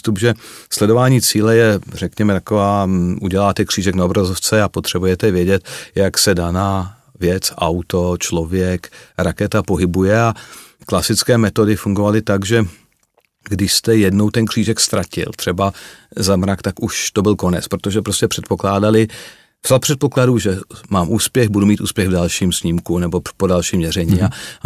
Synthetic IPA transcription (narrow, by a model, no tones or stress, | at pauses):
st̪upʒɛslɛdo̞vaːɲiːt͡siːlɛjɛrɛkɲɛmɛt̪akovaːʔuɟɛlaːt̪ɛkr̝̥iːʒɛknaobɾazoft͡sɛapot̪r̥ɛbujɛt̪ɛvjɛɟɛt̪jaksɛdanaː | vjɛt͡sʔawt̪o̞t͡ʃlo̞vjɛkɾakɛt̪apo̞ɦɪbujɛaklasɪt͡skɛːmɛt̪o̞dɪfuŋɡovalɪt̪aɡʒɛ | ɡdɪʃst̪ɛjɛdnowt̪ɛnkr̥iːʒɛkst̪ɾacɪ̰lt̪r̥ɛbazamɾakt̪akuʃt̪o̞bɪlko̞nɛt͡spɾot̪o̞ʒɛpɾo̞scɛpr̥ɛt̪̚po̞klaːdalɪ | vz̥alpr̝̥ɛt̪̚po̞kladuːʒɛmaːmʔuːspjɛɣbudumiːt̪ʔuːspjɛɣvdalʃiːmsɲimkunɛbo̞po̞dalʃiːmɲɛr̝ɛɲiːa